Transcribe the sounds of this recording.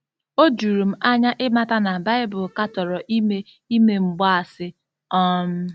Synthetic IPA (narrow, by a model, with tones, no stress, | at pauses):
o˦d͡ʒu˨ɾu˨m̩˦ʔa˦ɲa˦ʔɪ˦ma˦ta˦na˨ba˦ɪ˦bʊ˨lka˦tɔ˨ɾɔ˨ʔi˦me˦ | i˦me˦ŋ͡m̩˨ɡ͡ba˦a˨sɪ˦ | ɔ˦m̩˦